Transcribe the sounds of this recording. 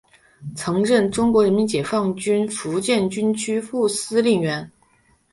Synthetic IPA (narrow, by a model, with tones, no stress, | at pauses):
t͡sʰɤ˧˥ŋɻə˥˩nʈ͡ʂʊ˥ŋkwɔ˧˥ɻə˧˥mi˧˥nt͡ɕjɛ˨˩fɑ˥˩ŋt͡ɕy˥nfu˧˥t͡ɕjɛ˥˩nt͡ɕy˥nt͡ɕʰy˥fu˥˩sɹ̩˥li˥˩ŋɥɛ˧˥n